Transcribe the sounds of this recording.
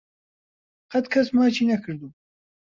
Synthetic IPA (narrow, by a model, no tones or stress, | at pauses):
qɐt̪kʰɐsmaːt͡ʃʰiːnɐkʰɨɾd̪uː